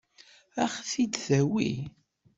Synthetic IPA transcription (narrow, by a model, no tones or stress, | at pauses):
æχθid̪θæwḭ